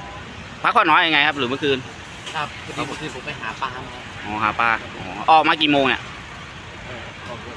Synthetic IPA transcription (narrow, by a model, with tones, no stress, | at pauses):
pʰa˦˥kʰɔː˧˥˩nɔː˨˦˥ja˧ŋa˧jkʰa˦˥p̚ɾɯː˨˦mː˧˦˥kʰɯː˧n̚˦˧ | ɯː˧o˨˦pa˧jɦaː˩˦paː˧˩ʔɔː˨˩ha̰ː˩˦paː˧ | ʔɔ̰ː˨˩˦ʔɔː˨˩k̚maː˧k̬iː˨˩moː˧ŋʔa̰˧˩ʔ